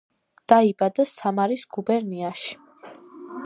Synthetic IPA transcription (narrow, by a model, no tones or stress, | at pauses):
d̪̥aibad̪asamaɾisɡ̥ubɛɾniaʃi̥